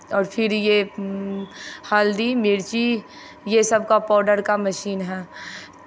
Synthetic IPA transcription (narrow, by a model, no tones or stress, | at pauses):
ɔːɾpʰɪɾje | haːld̪imɪɾt͡ʃi | jesɐbkapaːɖəɾkamɐʃiːnɦɛː